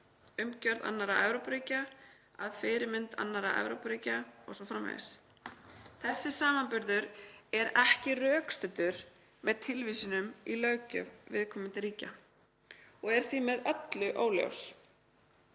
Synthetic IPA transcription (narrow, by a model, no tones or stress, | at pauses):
ʏmcœɾða̰nːaɾaɛvɾopɾiːca | a̰ðfɪːɾɪmɪnt̪a̰nːaɾaʔɛ̰vɾowpɾiːcaɔ̰ɣsɔfɾamːa̰ðɪ̰s | θɛsːɪsaːmanpʏɾðʏɾɛɾɛhcɪrœːkst̪ʏt̪ʏɾ̥ | mɛðt̪ʰɪlviːsʏnʏmilœːɥcʏ̰vvɪðkʰɔːmɪnt̪ɪɾiːca | ɔɣɛɾ̥θimɛðœt̪lʏʔoːwljo̰ws